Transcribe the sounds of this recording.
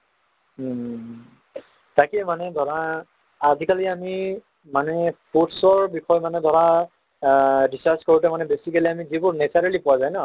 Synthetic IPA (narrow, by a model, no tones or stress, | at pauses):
takɛmanɛdʱɔɹaː | zikaliami | manɛputsɔɹbixɔjmanɛdʱɔɹa | disaskoɹutɛmanɛbesikliamizibʊɹnesaɹalipʊwazajna